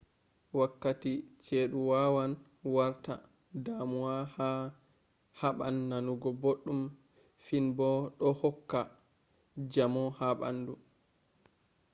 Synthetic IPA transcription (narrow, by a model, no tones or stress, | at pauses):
wakːatit͡ʃeːɗuwawan | waɾta̰ | damuwaha | haɓa̰nːanuɡɔboɗːum | finbɔɗɔhɔkːa | d͡ʒamɔhaɓa̰nːdu